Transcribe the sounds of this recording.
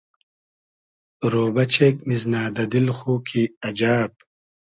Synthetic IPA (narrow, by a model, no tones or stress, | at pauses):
ɾoːbɐt͡ɕʰeːk̚miznaːd̪ɐd̪ilxuːkʰiɐd͡ʑaːb̚